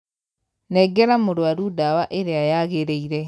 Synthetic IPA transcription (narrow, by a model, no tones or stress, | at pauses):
nɛɡɛɾamoɾwaɾudawaʔeɾeajaɣeɾeiɾɛ